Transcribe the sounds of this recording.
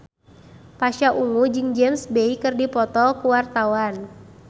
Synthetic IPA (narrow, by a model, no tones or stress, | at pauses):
paʃaʔuŋud͡ʒɨŋd͡ʒɛmsbeikɨrdipɔt̪ɔkuwart̪awan